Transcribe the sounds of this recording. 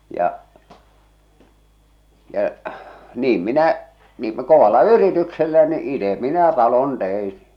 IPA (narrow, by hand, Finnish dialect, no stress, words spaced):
jɑ jɑ niːm minæ niːm m koʋɑlːɑ yritykselːæ ni ite minæ tɑlon tein̞